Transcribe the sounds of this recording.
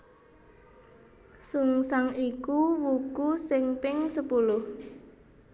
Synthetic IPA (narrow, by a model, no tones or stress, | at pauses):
suŋsaŋikuwukusɪŋpɪŋsəpulʊh